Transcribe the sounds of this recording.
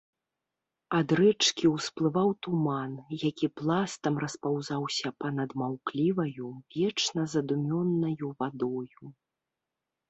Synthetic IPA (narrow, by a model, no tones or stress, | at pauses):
ad̪ɾɛt͡ʂkʲiwsplˠɨvawt̪umanjakʲiplˠast̪ɐmrɐspawzawsʲɐpɐnɐd̪mawklʲivɐjuvʲɛt͡ʂnɐzɐd̪umʲɔnːɐjuvad̪ɔju